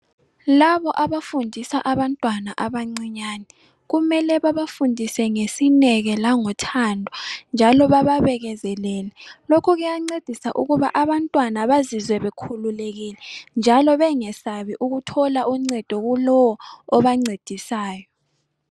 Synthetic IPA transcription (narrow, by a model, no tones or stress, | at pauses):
laβɔʔaβafundʱisaʔaβantʼwanaʔaβaŋ͡ǀiɲaːnɛ | ɣumɛlɛβaβafundʱisɛŋesinɛɣɛlaŋɔtʰandʱɔnd͡ʒʱalɔβaβaβɛɣɛzɛlɛːlɛlokʰɔɣujaŋ͡ǀed̥ʱisaʔuɣuβa̰ʔaβantʼwanaβazizwɛβɛkʰululeɣilɛnd͡ʒʱalɔβɛŋɛsaβiʔuɣutʰɔlaʔuŋ͡ǀɛd̥ʱɔɣulɔwɔɔβaŋ͡ǀed̥ʱisaːjɔ